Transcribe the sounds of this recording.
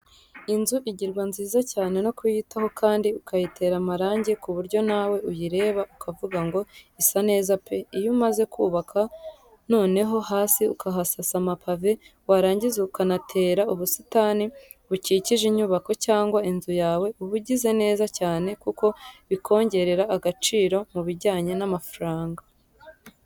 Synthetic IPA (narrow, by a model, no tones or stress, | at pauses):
inzuʔiɟiɾɡwanziːzacaːne̞no̞kujitaho̞kʰaːndiukajitʰe̞ɾamaɾaːɲɟikuβuɾɟo̞nawe̞ujiɾe̞ːβaukʰavuɡaŋɡo̞isane̞ːzapʰe̞ijumaze̞kʰuːβakʰa | no̞ːne̞ɦo̞haːsiukʰaɦasasamapavewaɾaːɲɟizeukanatʰe̞ːɾauβusi̥taːni | βuciːciʒiɲuːβako̞caːŋɡwainzujaːwe̞uβuɟize̞ne̞ːzacaːne̞kuko̞βikʰo̞ːɲɟe̞ɾe̞ɾaʔːɡat͡ʃiːɾo̞muβiɟaːɲe̞namafuɾaːŋɡa